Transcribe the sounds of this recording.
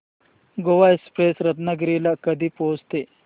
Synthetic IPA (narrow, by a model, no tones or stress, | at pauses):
ɡoʋaespɾesɾət̪nəɡɾilakəd̪ʱiːpost̪e